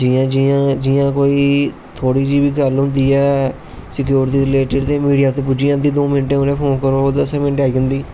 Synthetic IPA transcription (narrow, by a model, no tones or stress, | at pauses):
d͡ʒiːãːd͡ʒijãːd͡ʒɪjãːkoːiː | t̪ʰoːɽiːd͡ʒiːbiːɡəlɦʊ̃nd̪iːɛː | sɪk̬juːɾɪʈ̪iːɾɪleːʈəɖt̪eːmiːɖijaːt̪eːpʊd͡ʒiːãːnd̪iːd̪oːmɪnʈeːɦʊnẽːpʰoːnkəɾoːd̪əsẽːmɪ̃nʈːaːiːə̃nd̪iː